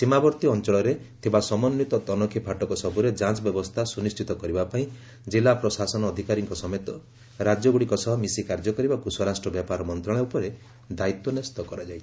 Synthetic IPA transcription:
simabɔɾt̪iɔnt͡ʃɔɭɔɾet̪ʰibasɔmɔnːjit̪ɔt̪ɔnɔkʰipʰaʈɔkɔsɔbuɾed͡ʒãt͡ʃɔbjɔbɔst̪ʰasunisʈʰit̪ɔkɔɾibapaĩ | d͡ʒilapɾɔsasɔnɔːd̪ʱikaɾiŋkɔsɔmet̪ɔ | ɾad͡ʒɔɡuɽikɔsɔɦɔmisikaɾd͡ʒɔkɔɾibakusɔɾasʈɾɔbjapaɾɔmɔnt̪ɾaɭ̃eupɔɾe | d̪ait̪wɔnest̪ɔkɔɾad͡ʒajʰ

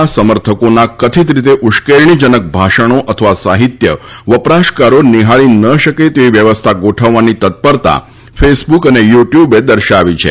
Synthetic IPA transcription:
asəməɾt̪ʰəkonakət̪ʰit̪ɾit̪eʔuʃkeɾɳ̃id͡ʒənək̚bʱaʃəɽ̃oʔət̪ʰəʋasaɦit̪jəʋəpɾaʃkaɾoniɦaɭinəʃəket̪eʋiʋjəʋəst̪ʰaɡoʈʰəʋːanit̪ət̪̚pəɾt̪a̰ | fesbukənejuʈjubed̪əɾʃaʋit͡ʃʰḛ

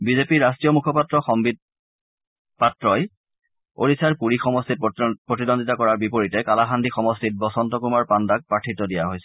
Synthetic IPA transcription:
bizepiɹastɹijɔmukʰɔpatɹɔxɔmbid̚ | patɹɔj | o̰ɹisaɹpuɹixɔmɔstit̚pɹotidonditakɔɹaɹbipoɹitɛkalaxandixɔmɔstit̚bɔsɔntɔkumaɹpandak̚pɹatʰitɔdijaɦojsɛ̥

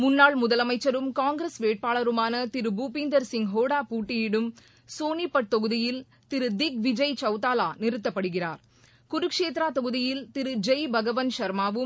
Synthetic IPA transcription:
mʊnːaːɭmʊðɐlɐmɐɪt͡ʃːɐɾɯmkaːŋɡɾɐsʋeːʈ̚paːɭɐɾɯmaːnɐt̪ɪɾɯbuːpɪnd̪ɐɾsɪŋɦoːɽaːpuːʈːɪjɪɽɯm | soːnipːɐʈ̚t̪ɔɣɯðɪjɪl | t̪ɪɾɯd̪ɪk̚ʋɪd͡ʒɐɪt͡ʃɐʊt̪aːlaːnɪɾɯt̪ːɐpːɐɽɯɣɪraːɾ | kʊɾɯkʂeːt̪ɾaːt̪ɔɣɯðɪjɪlt̪ɪɾɯd͡ʒɐjbʱɐɣɐʋɐnʃɐɾmaːʋɯm

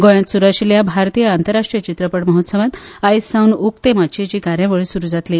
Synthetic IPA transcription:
ɡojãt̪suɾakʂiljabʱaɾt̪iːjəant̪əɾːaʂʈɾijət͡ɕit̪ɾəpəɽməɦot̪səʋãt̪ajsawnuk̚t̪emat͡ɕet͡ɕiːkaɾjãʋəɭisuɾuːd͡zat̪li

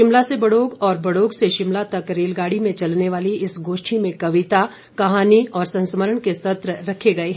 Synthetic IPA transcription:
ʃɪmlasebɐɽoːɡɔːɾbɐɽoːɡseʃɪmlat̪ɐkɾeːlɡaːɽimẽt͡ʃɐlneʋaːliɪsɡoːʃʈʰimẽkɐʋɪt̪a | kɐɦaːniɔːɾsɐ̃nsməɾəɽ̃kesɐt̪ɾəɾɐkʰeɡɐeɦɛ

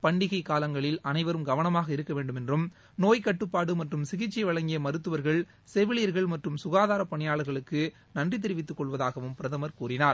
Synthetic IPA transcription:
pɐɳɖɪɣɐɪkaːlɐŋɡɐɭɪlɐnɐɪʋɐɾɯmɡɐʋɐnɐmaːɣɐɪɾɯkːɐʋeːɳɖɯmɛndrɯm | noːjkɐʈːɯpːaːɽɯmɐʈrɯmsɪɣɪt͡ʃːɪʋɐɭɐŋɡɪjɐmɐɾɯt̪ːɯʋɐɾɣɐɭ | sɛʋɪɭijɐɾɣɐɭmɐʈrɯmsʊɣaːðaːɾɐpːɐɳɪjaːɭɐɾɣɐɭɯkːɯ | nɐndrɪt̪̬ːɛɾɪʋɪt̪̬ːɯkːɔɭʋɐðaːɣɐʋɯmpɪɾɐðɐmɐɾkuːrɪnaːɾ

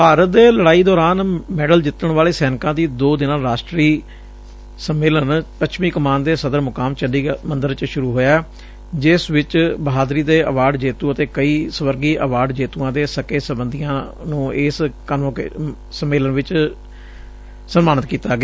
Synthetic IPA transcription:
paːɾət̪̚d̪eːləɽaːiːd̪ɔːɾaːnmɛːɖəld͡ʒɪt̪ːəɳʋaːleːsɛːnɪkãːd̪iːd̪oːd̪ɪnãːɾaːʃʈɾiː | səmːeːlənpəʃmiːkəmaːnd̪eːsəd̪əɾmʊkaːmt͡ʃəliːmənd̪əɾt͡ʃʃʊɾuːɦoːjaːɛ | d͡ʒɪsʋɪt͡ʃbəɦaːd̪ɾiːd̪eːʔəʋaːɖd͡ʒeːt̪uːət̪eːkəiːsəʋəɾɡiːʔəʋaːɖd͡ʒeːt̪uːãːd̪eːsəkeːsəbənd̪ijãːnũːɪskənõk | səmːeːlənʋɪt͡ʃ | sənmaːɳət̪kiːt̪aːɡeaː

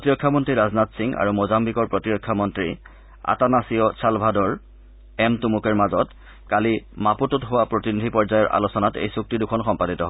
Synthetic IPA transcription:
potiɹɔkʰːamɔntɹiɹaznatsiŋa̰ɹumozambikɔɹpɹɔtiɹɔkʰːamɔntɹi | a̰tanasijɔsʰalbʱadɔɹ | ɛmtumukɛɹmazɔt | kalimapututɦʊwapɹotinidʱipɔɹzajɔɹʔa̰losɔnatḛjsuk̚tidukʰɔnxɔmpaditɔɦɔ

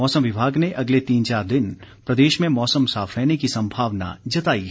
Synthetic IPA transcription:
ɔːsəmʋɪbʱaːɡneʔɐɡlet̪iːnt͡ʃaːɾd̪ɪnpɾɐd̪eːʃmẽmɔːsəmsaːfʰɾɛːnekisɐ̃mbʱaːʋna̰d͡ʒɐt̪aːiɦɛ

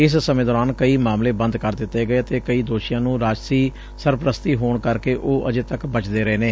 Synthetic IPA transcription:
ɪssəmẽːd̪ɔːɾaːnkəiːmaːmleːbə̃nd̪kəɾd̪ɪt̪ːeːɡəeːət̪eːkəiːd̪oːʃɪjãːnũːɾaːd͡ʒsiː | səɾpɾəst̪iːɦoːɳkəɾkeːʔoːʔəd͡ʒeːt̪əkbət͡ʃd̪eːɾəeːneː

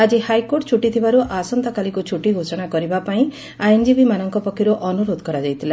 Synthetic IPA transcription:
ad͡ʒihajkoɾʈt͡ʃʰuʈit̪ʰibaɾuʔasɔnt̪ɔkalikut͡ʃʰuʈiɡʱosɔɽ̃akɔɾibapaĩ | ajend͡ʒibimanɔŋkɔpɔkʰːiɾɔʔɔnuɾod̪ɔkɔɾad͡ʒajt̪ʰila

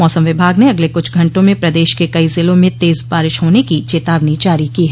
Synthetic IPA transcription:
mɔːsəmʋɪbʱaːɡneɐɡlekʊt͡ʃʰɡʱɐ̃ɳʈõmẽpɾɐd̪eːʃkekɐizɪlõmẽt̪eːzpaːɾɪʃɦoːnekit͡ʃeːt̪aːʋnit͡ʃaːɾikiːɦɛ

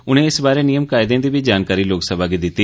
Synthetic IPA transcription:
ʊñẽːɪsbaːɾeːnijəmkaːɪd̪ẽːd̪iːbiːd͡ʒaːnkaːɾiːloːksəbaːɡed̪ɪt̪ːiː

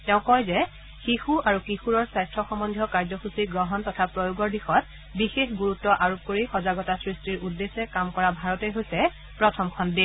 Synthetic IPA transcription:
tɛʊ̃kɔjzɛ | xixuaɹukixuɹɔɹsajstɹɔxɔmɔndʱjɔkaɹzɔxusiɡɹɔɦɔntɔtʰapɹɔjuɡɔɹdixɔt̚ | bixexɡuɹutːɔʔaɹop̚koɹixɔzaɡɔtasɹistiɹudːesɛkamkɔɹabʱaɹɔtejɦojsɛ | pɹɔtʰɔmkʰɔndi

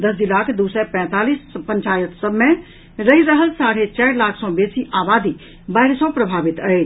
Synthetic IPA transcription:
d̪əsd͡ʒ̪ilaːkʰd̪uːsɛpɛ̃t̪aːliːspəɲt͡ʃaːjət̪səbmẽ | ɾəɦiɾəɦəlsaːɽet͡ʃaːɾlaːkʰsɔ̃beːsiʔaːbaːd̪i | baːɪɾsɔpɾəbʱaːʋit̪əe

